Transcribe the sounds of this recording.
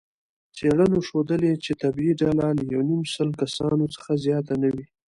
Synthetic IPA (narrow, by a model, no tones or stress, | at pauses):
t͡seɽənoʃod̪əlet͡ʃet̪abiɖɑlaləjawnimsəlkasɑnot͡sə̥xazjɑt̪anawi